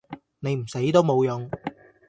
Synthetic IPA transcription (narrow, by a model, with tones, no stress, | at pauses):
ne˨˧jm̩˨˩se˨˥jt̪o˥wmo˨˧wjʊ˨˧ŋ